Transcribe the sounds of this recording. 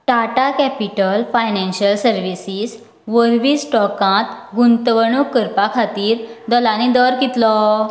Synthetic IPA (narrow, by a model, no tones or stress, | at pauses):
ʈaʈakɛpiʈəlfajnɛ̃nɕəlsəɾʋisis | ʋəɾʋiːsʈɔkãt̪ɡunt̪ʋəɳukːəɾpakʰat̪iːɾd̪ɔlãnid̪ɔɾkit̪lɔ